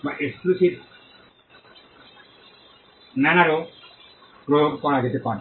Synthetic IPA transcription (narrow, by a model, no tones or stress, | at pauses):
baʔeksplisit̪ | nanaɾo | pɾojoɡkɔɾaɡet̪epaɾ